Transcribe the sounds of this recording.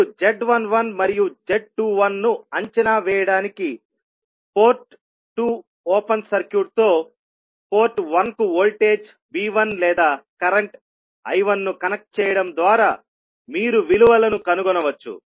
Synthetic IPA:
d͡ʒeɖʋɐnʋɐnmɐɾijud͡ʒeɖ̚ʈuːʋɐnːuɐɲt͡ʃɐnaːʋɛːjɐɽaːniki | po̞ːɾʈ̚ː | uː | ɔːpɐnsɐɾkjuːʈ̚t̪o̞ː | po̞ːɾʈʋɐnkuolʈe̞ːd͡ʒ | biːʋɐnlɛːd̪aːkɐɾɐɳʈ | ɐjʋɐnːukɐnɐk̚ʈ̚t͡ʃɛːjɐɽɐmd̪ʋaːɾaː | miːɾuʋiluʋɐlɐnukɐnuɡɔnɐʋɐt͡ʃːṵ

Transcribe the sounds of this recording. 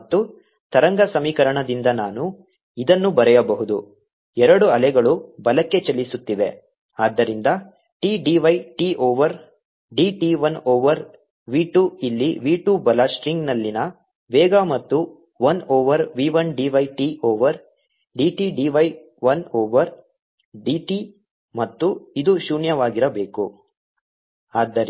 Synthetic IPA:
t̪ːu | t̪ɐɾɐŋɡɐsɐmiːkɐɾɐɳɐd̪ind̪ɐnaːnu | id̪ɐnːubɐɾɛjɐbɐɦud̪u | ɛɾɐɽuɐlɛɡɐɭubɐlɐkːe̞t͡ʃɐlːisut̪ːiʋe̞ | aːd̪ːɐɾind̪ɐ | ʈiːɖiʋɐjʈiːʔoːʋɐɾ | ɖiːʈiʋɐnoːʋɐɾ | ʋiːʈuilːiʋiːʈuːbɐlɐsʈɾiŋɡnɐlːinɐ | ʋɛːɡamɐt̪ːu | ʋɐnoːʋɐɾʋiːʋɐnɖiːʋɐjʈiːʔoːʋɐɾ | ɖiːʈiːɖiːʋɐj | ʋɐnoːʋɐɾ | ɖiːʈi | mɐt̪ːuid̪uʃuːɳjɐʋaːɡiɾɐbe̞ːku | aːd̪ːɐɾ

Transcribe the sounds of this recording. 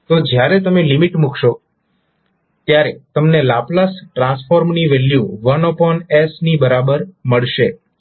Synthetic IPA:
t̪od͡ʒjaɾet̪əmelimiʈmukʰʃo | t̪jaɾet̪əmnelaplasʈɾãnsfoɾmniʋeljuʋənɔpɔnesnibəɾabəɾməɭʃe

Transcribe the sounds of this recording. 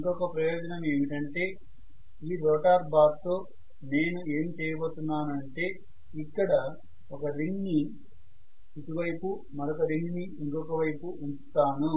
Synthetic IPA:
iŋkɔkɐpɾɐjoːd͡ʒɐnɐmeːmiʈɐɳʈe̞ː | iːɾɔːʈaːɾbaːd̪t̪o̞ː | ne̞ːnue̞ːmt͡ʃɛːjɐboːt̪unːaːnuɐɳʈe̞ː | ikːɐɽɐ | ɔkɐɾiŋɡni | it̪uʋɐjpu | mɐɾɔkɐɾiŋɡniiŋkɔkɐʋɐjpuunt̪aːnu

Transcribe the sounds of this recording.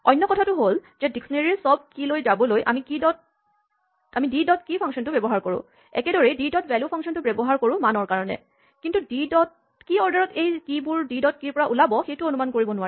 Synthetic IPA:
ɔjnːɔkɔtʰatʊɦolzɛdiksɔneɹiɹsɔb̚kilojzabɔlojʔa̰mikidɔt̚ | amididɔt̚kipʰaŋksɔntʊbɛbɔɦaɹkoɹʊ̰̃ | ɛ̰kɛdɔɹɛdidɔtvɛljupʰɔŋksɔntʊbɛbɔɦaɹkoɹʊ̃manɔɹkaɹɔnɛ̰ | kintudidɔt̚ | kiɔɹdaɹɔtejkibuɹdidɔt̚kiɹpɔɹaʔulabɔxejtʊonumankoɹibɔnʊwaɹɛ

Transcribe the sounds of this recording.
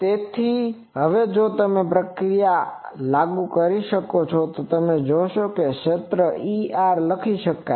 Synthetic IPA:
t̪et̪ʰi | ɦəʋed͡ʒot̪əmepɾəkɾijalaɡukəɾiʃəkot͡ʃʰɔt̪ot̪əmed͡ʒoʃokeʃet̪ɾəiaɾləkʰiʃəkːa

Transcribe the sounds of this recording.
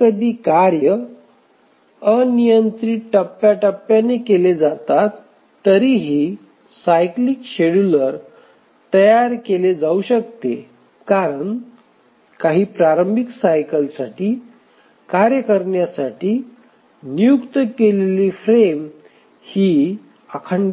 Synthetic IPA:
kəd̪ʱiːkaɾjə | ənijənt̪ɾiʈəpːjaʈəpːjanekeled͡zat̪at̪ː | əɾiɦiː | sajklikɕeɽuləɾ | t̪əjaɾkeled͡zauɕək̚t̪e | kaɾəɳ | kaɦiːpɾaɾəmbʱiksajkəlsaʈiː | kaɾjəkəɾɳjasaʈiː | nijukt̪əkeleliːfɾem | hiː | əkʰəɳ

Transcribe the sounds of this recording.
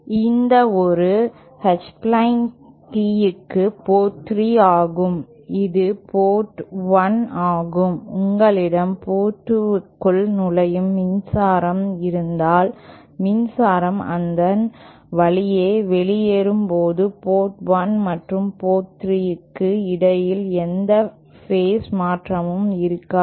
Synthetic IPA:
ɪnd̪ɐɔɾɯ | hɐt͡ʃplɐɪn | ʈiːjɯkːɯpoːt̪ːriaːɣɯm | ɪðɯpoːʈʋɐnaːɣɯmʊŋɡɐɭɪɽɐmpoːʈːɯkːɯɭnʊlɐjɯmːɪnsaːɾɐmɪɾɯnd̪aːl | mɪnsaːɾɐmɐ̰nd̪ɐn | ʋɐɭɪjeːʋɛɭɪjeɾɯmpoːðɯpoːʈʋɐnmɐʈrɯmpoːt̪ːrɪjɯkːɯɪɽɐjɪlɛnd̪ɐ | feːsmaːʈrɐmɯmɪɾɯkːaː

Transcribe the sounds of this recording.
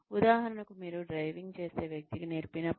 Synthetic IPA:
ud̪aːɦɐɾɐnɐkumiːɾuɖɾɐjʋiŋɡ̚t͡ʃe̞ːse̞ːʋjɐk̚t̪iɡineːɾpinɐ

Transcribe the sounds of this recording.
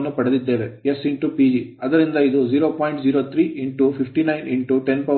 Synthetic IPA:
nːupɐɽed̪id̪ːe̞ːʋe̞jesiɳʈupiːd͡ʒiɐd̪ɐɾind̪ɐid̪ud͡ʒiːɾo̞ːpaːjɳʈd͡ʒiːɾoːt̪ʰɾiːʔiɳʈupʰipʰʈinɐjnʔiɳʈuʈe̞npɐ

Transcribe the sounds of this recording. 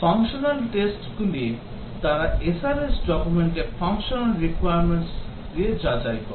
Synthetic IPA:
pʰɔŋkʃɔnalʈesʈɡuli | t̪aɾaesaɾesɖɔkumeɳʈeɾpʰɔŋʃɔnalɾikwajaɾmeɳʈs | ed͡ʒad͡ʒajkɔɾ

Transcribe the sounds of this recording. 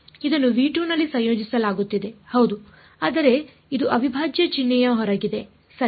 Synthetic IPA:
id̪ɐnːuʋiːʈuːnɐlːisɐ̃jjo̞ːd͡ʒisɐlaːɡut̪ːid̪e̞hɐwd̪u | aːd̪ɐɾe̞ | id̪uʔɐbʱibʱaːd͡ʒjɐt͡ʃinːɛjɐɦɔɾɐɡid̪e̞ | sɐ

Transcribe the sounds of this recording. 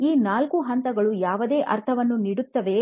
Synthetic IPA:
iːnaːlkuɦɐnt̪ɐɡɐɭujaːʋɐd̪e̞ːʔɐɾt̪ʰɐʋɐnːuniɽut̪ːɐʋe̞

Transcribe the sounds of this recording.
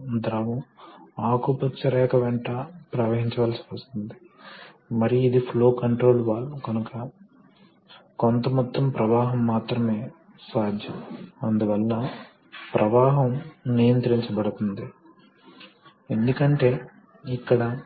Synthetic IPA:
d̪ɾɐʋɐmaːkupɐt͡ʃːɐɾɛːkɐʋɛɳʈɐpɾɐːʋeːɦiɲt͡ʃɐʋaːlsi̥ʋɐst̪und̪i | mɐɾijid̪ipʰlo̞ːkɐɳʈɾo̞ːlʋaːlːukɐnukɐ | kont̪ɐmɔt̪ːɐmpɾɐʋaːɦɐmːaːt̪ɾɐme̞ː | saːd̪ʱjɐmɐnd̪uʋɐlːɐ | pɾʔɐʋaːɦɐmnijɐnt̪ɾiɲt͡ʃɐbɐɽut̪und̪i | e̞nd̪ukɐɳʈe̞ː | ikːɐɽɐ

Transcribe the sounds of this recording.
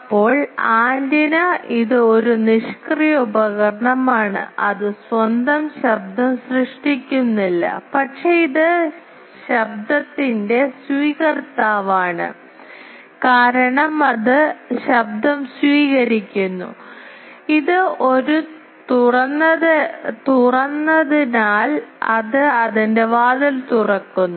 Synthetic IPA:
ɐpːo̞ːɭaːnd̪ɐnɐʔiðɨo̞ɾuniʂkrijɐubɐɣɐɾɐɳɐmaːɳɨ̰ɐðɨswɐnd̪ɐmɕɐb̚d̪ɐmsrɨʂʈikʲːunːilːɐ̰pɐʈʂeiðɨ | ɕɐb̚d̪ɐt̪ːinde̞swiːɣɐrt̪ːaːʋaːɳɨ̰ | kaːɾɐɳɐmɐðɨɕɐb̚d̪ɐmswiːɣɐɾikʲːunːṵ | iðɨo̞ɾu | t̪urɐnːɐðt̪urɐnːɐðinaːlɐðɨɐðinde̞ʋaːd̪ɐlt̪urɐkːunːu

